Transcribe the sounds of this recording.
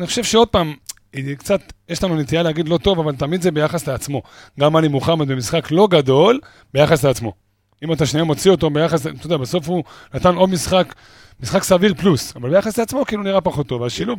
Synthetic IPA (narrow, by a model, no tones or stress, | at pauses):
niχoʃe̞vʃeo̞d̪̚paːm | kt͡sat̪jeʃlanunet̪ijaleaɡid̪lo̞t̪o̞vavalt̪amid̪zebe̞jaχasleat͡smo̞ɡamanimuχemet̪bemisχaklo̞ɡad̪o̞l | bejaχasleat͡smo̞ | imat̪aʃniamo̞t͡sio̞t̪obejaχaslet̪od̪abeso̞fhunat̪ano̞d̪misχak | misχaksaviʁplusavalbe̞jaχasleat͡smo̞kiiːluniʁapaχo̞t̪ːo̞vaʃiluv